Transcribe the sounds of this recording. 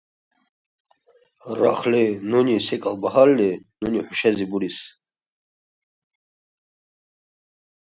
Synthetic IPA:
ɾaχlɛnunisɛkʼalbaɦalːɛnuniħuʃɛzibuɾis

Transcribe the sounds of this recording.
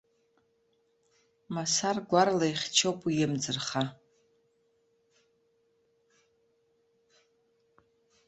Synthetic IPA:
masarɡʷarlajχʲt͡ʃʰowpʼijɪmd͡zɨrχa

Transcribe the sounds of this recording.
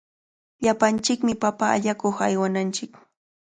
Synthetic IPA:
ʎapant͡ʃɪkmɪpapa̰ːʎakoχajwanant͡ʃɪk

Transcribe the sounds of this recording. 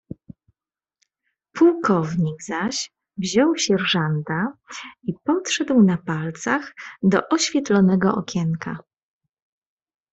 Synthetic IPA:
pʰuwkɔvɲiɡzaɕ | vʑɔwɕɛɾʐant̪aipɔtʂɛd̪wnapalt̪saxd̪ɔ̰ʔɔɕfʲjɛt̪lɔnɛɡɔʔɔ̰kʲɛŋkʰa̰

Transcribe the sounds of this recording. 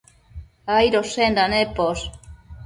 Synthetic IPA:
ajɾosend̪anepos

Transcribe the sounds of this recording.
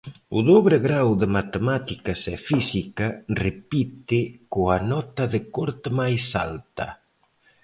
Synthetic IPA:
ʊðoβɾeɣɾawðɪmat̪emat̪ikasɛfisikarepit̪ɪkoanɔt̪aðɪkɔɾt̪majsa̰lt̪ɐ̰

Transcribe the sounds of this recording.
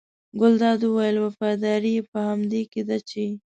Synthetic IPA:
ɡʊld̪ɑd̪uwajəlwafɑd̪ɑɾiepəhamd̪eked̪at͡ʃe

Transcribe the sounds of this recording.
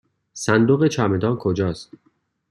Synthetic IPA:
sænd̪oɣet͡ʃʰæmed̪ɒːnkʰod͡ʒɒːst̪

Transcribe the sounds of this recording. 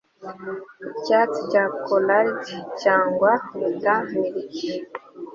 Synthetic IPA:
icat͡sicakolaɾd͡ʒicaːŋɡwaɾutamiɾici

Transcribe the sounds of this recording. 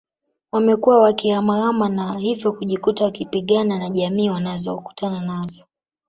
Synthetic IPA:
wamɛkuwawakihamaamanahivjɔkuʄikutawakipiɠananaʄamiːwanazɔku̥tananazɔ

